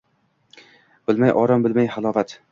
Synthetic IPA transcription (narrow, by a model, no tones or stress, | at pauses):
b̥ɪlmajʔɒɾɒmbɪlmajhalˠɒvat̪